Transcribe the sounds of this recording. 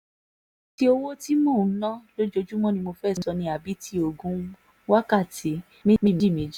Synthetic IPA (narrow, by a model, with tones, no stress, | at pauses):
ti˦o˧wo˦ti˦mɔ̃˦˨˦nã˦lo˦d͡ʒo˧d͡ʒu˦mɔ̃˦˨nĩ˧mo˧fɛ˦˨˦sɔ˧nĩ˧a˨bi˨˦ti˧˦o˦˨ɡũ˨˦ | wa˦ka˦˨ti˨˦ | mĩ˦mi˦˨m˨˦d͡ʒi˦˨mĩ˨˦d͡ʒi˦